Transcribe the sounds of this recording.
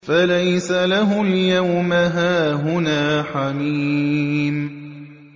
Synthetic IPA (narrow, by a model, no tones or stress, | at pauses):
falajsalaɦʊljawmaɦaːɦʊnaːħamiːm